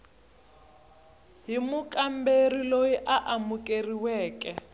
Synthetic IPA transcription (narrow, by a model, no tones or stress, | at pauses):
ɦimukʼamberilojiʔaʔamukʼeriwɛːkʼɛ